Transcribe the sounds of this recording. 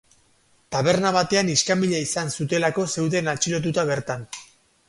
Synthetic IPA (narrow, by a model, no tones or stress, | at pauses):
t̪aβ̞e̞ɾnaβat̪e̞aniskambiʎaisansut̪e̞lako̞se̞wðe̞nat͡ʃilo̞t̪̬ut̪aβe̞ɾt̪an